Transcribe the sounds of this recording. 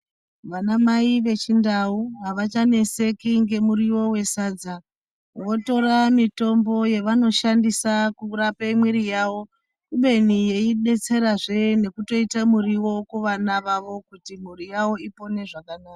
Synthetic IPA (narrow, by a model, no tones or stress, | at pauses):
ʋanamaiʋe̞t͡ʃindauɦaʋat͡ʃane̞se̞kiŋɡe̞muɾiwo̞we̞saːd͡za | wo̞to̞ɾamito̞mbo̞je̞ʋano̞ʃandisakurapeimwiɾijaːwo̞ | uɓe̞nije̞iɗe̞t͡se̞ɾaʐene̞kuto̞itamuriwo̞kuʋanaʋaʋo̞kutim̤uɾijawo̞ipo̞ne̞ʐakanaːka